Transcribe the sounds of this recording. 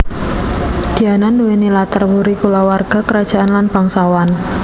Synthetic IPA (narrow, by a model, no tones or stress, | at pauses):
d̥i̤ananːuwenilat̪ərwuɾikulawarɡ̥a̤kəɾad̥ʒ̥a̤ʔanlanb̥aŋsawan